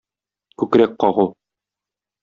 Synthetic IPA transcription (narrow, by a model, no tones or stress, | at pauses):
kʉkɾæk̚qɒʁu